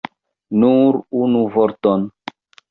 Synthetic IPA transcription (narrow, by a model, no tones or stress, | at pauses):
nuɾunuvoɾton